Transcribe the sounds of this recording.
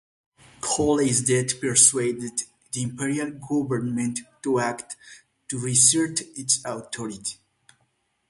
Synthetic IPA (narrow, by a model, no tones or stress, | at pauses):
kʰɔlizdɛd̪pɛɹsweɪdɨd | ðiĩmpiɹialɡɔvəɹnmɛ̃ntːuæktː | uɹisɛɹtitsaʊt̪ʰɔɹitʰi̥